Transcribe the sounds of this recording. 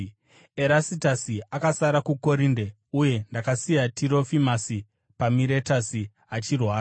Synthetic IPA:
eɾasitasiakasaɾakuko̞ɾinde̞ | uje̞ndakasijatʰiɾo̞fimasi | pamiɾe̞tasi | at͡ʃirwaːɾa

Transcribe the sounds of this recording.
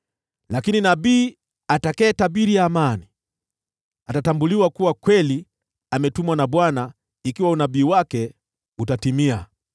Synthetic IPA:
lakininabiː | atakɛːtaɓiɾijaːmani | atatambuliwakuwakwɛli | amɛtumwanaɓwana | ikiwaunaɓiːwakɛ | utatimia

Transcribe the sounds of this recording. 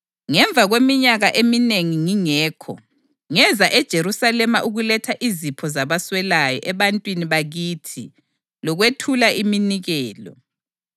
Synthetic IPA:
ŋɛɱb̪vʱaɣwemiɲaɣaʔemineŋiŋiŋɛːkʰɔ̰ | ŋɛzaʔɛd̥ʒ̥ʱeɾusalɛmaʔuɣulɛtʰaʔizipʰɔzaβaswɛlajɔ̰ʔɛβantʼwiniβaɣiːtʰi | lɔɣwetʰulaiminiɣɛːlɔ̰

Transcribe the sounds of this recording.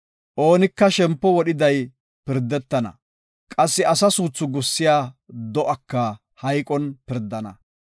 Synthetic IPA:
ʔo̞ːnɪkːɐʃɛmpːɔwɔɗɪd̪ɐj | pɪɾd̪ːɛt̪ːɐnɐ̰ | kʼɐsːɪɐsɐsuːt͡sːʊɡʊsːɪjaːd̪ɔʔɐkːɐ | hɐjkʼɔnpɪɾd̪ːɐnɐ̰

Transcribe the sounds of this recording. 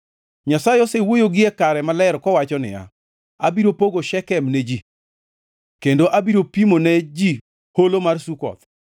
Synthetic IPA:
ɲasajɔsewojoɡɪekaɾɛmalɛɾkɔwat͡ʃɔnɪ̰ja̰ | abiɾopoɡoʃɛkɛmnɛd͡ʒi | kendoʔabiɾopimonɛd͡ʒi | holomarsukɔ̰t̪

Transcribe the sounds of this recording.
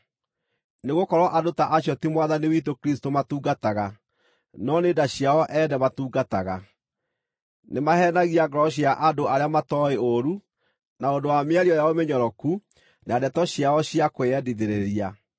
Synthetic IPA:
neɣokɔɾwɔʔadotaʔaɕjɔtimwaðaniwitokɾistomatuːɡataɣa | nɔneːdaɕjaɔʔɛnɛmatuːɡataɣa | nemahɛnaɣiaɡɔɾɔɕ̬iaʔadoaɾeamatɔeoɾu | naondowameaɾiɔjaɔmeɲɔɾɔku | naadɛtɔɕiaɔɕiakoeɛdiðeɾeɾia

